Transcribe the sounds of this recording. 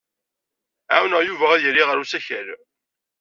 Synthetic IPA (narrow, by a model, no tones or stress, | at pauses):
ʕa̰wnəʁjuvææðjəɾːiʁəɾusæçəɾ